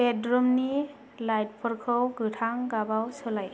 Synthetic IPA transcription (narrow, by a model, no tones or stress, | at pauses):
edɾɔmni | lajt̚pʰɔɾkʰɯwɡɯtʰaŋɡabawsɔlaj